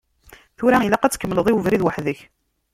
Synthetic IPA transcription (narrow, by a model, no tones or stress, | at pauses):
θuɾæilæqæt͡sːkːəmːələðˤiwəvɾiðwaħðəç